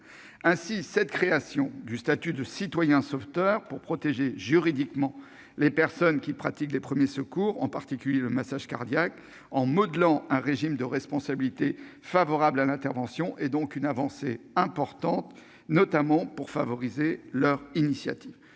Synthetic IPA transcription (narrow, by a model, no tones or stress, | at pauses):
ɛ̃sisɛt̪kχeasjɔ̃d̪yst̪at̪yd̪əsit̪wajɛ̃sɔft̪œʁpuʁpχɔt̪eʒeʒyʁid̪ikmɑ̃ | lepɛʁsɔnkʲipχat̪iklepχəmjesəkuʁɑ̃paʁt̪ikʲyljeləmasaʒka̰ʁd̪jak | ɑ̃mɔd̪lɑ̃ɛ̃ʁeʒimd̪əʁɛspɔ̃sabilit̪efavɔʁablalɛ̃t̪ɛʁvɑ̃sjɔ̃ʔɛd̪ɔ̃kynavɑ̃seɛ̃pɔʁt̪ɑ̃t̪ | nɔt̪amɑ̃puʁfavɔʁizelœʁinisja̰t̪iv